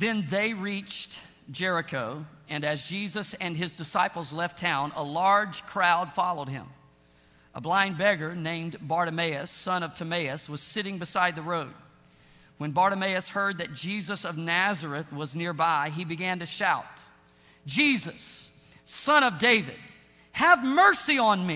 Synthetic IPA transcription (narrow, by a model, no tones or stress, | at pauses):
ðɨ̃nðeɪɹit͡ʃt | d̥ʒ̥ɛɹɨkʰoʊɨ̃nɨzd͡ʒizɨsɨ̃nɨzdɨsaɪpl̩ˠzlɛftʰãʊ̃nə̰lɑɹd̥d͡ʒʒ̥kʰɹ̥aʊd̥fɑlˠoʊd̚ɪ̰̃m | ʔəblãɪ̃nbɛɡə˞nẽɪ̃mbɑɹɾɨmeɪɨsʌ̃nʌv̥tʰɨmeɪɨswʌz̥sɪɾɪ̃ŋbɨsaɪd̪̚ðɨɹoʊd̚ | wɨ̃nbɑɹɾɨmeɪɨshɜ˞d̪̚ðɨt̚d̥ʒ̥izɨsʌvnæzə˞ɨθwʌznɪɹbaɪibɨɡæ̃ntɨʃaʊt̚ | d̥ʒ̥izʌsː | ʌ̃ɾ̃ʌvdeɪvɨ̰d̥̚ | hɨvmɜ˞siə̃nmi